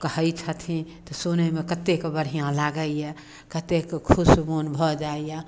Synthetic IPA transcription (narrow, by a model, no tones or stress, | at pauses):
kəɦəjt͡ʃʰət̪ʰĩt̪ɔsunemekət̪ekbəɽijãlaɡəjɛ | kət̪ekkʰusmonbʱɔd͡ʒaeje